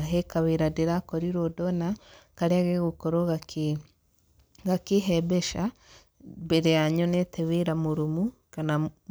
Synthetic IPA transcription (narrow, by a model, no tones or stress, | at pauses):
ɦekaβeɾadeɾakɔɾiɾodɔnakaɾeaɣeɣokɔɾoɣake | ɡakeɦɛbɛʃa | beɾejaɲɔnetʰɛβeɾamoɾomu | kana